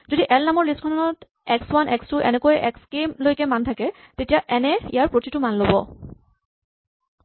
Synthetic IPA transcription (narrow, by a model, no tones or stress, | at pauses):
zodiʔɛlnamɔɹliskʰɔnɔnɔt | ɛkswanʔɛkstʊʔɛ̰nɛkojɛʔɛkskemlojkɛmantʰakɛ | tetijaʔɛnɛijaɹpɹotitʊmanlobɔ